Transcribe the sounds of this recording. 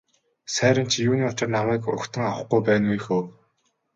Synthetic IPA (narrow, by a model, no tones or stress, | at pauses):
sæːɾʲə̆mt͡ɕʰijuːniːʊt͡ɕə̆rnawæːkʊ̰kt̪ʰə̆ŋawə̆χɡujpæːnujxoː